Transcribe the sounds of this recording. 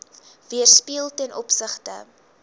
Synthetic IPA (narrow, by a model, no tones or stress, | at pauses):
viərspiəlˠtɛnʔɔpsəχtə̰